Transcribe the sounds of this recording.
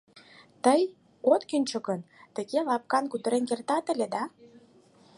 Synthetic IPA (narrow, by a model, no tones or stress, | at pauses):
t̪əj | ot̪kinʲt͡ɕɤ̆ɣənt̪ə̆ɣelɑp̚kɑnkud̪ə̆ɾenkert̪ɑt̪ə̆lʲed̪ɑ